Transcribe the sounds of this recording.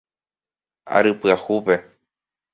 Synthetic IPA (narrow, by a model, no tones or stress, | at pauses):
a̰ɾɨpɨahupe̞